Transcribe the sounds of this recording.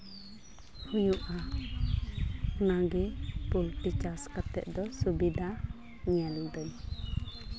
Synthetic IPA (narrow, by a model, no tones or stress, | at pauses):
hujuʔa | ɔnaɡɛpulʈit͡ʃaskat̪ɛ̰ʔ̚d̪ɔsubid̪ʱa | ɲɛlud̪ɔɲ